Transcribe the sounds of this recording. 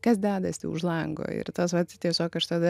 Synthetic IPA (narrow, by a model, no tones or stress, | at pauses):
kɐsd̪ʲæːd̪ɐsʲt̪ʲɛ̰ʊʒlˠɐŋɡo̰ːɪ̰ɾt̪oːsʋɐt̪ʲɪt̪ʲiɛsʲoːkɐʃt̪ɐd̪ɐ